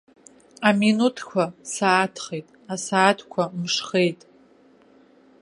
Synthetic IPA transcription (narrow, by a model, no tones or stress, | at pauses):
aminutʰkʷʰasaːtʰχejtʼasaːtʰkʷʰamʂχe̞jtʼ